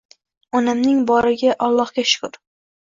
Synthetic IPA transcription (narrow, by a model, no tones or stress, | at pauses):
ɒnɪmnɪŋbɒɾɪɡʲaʔɒlˠːɒhkʲaʃʊ̥kʊɾ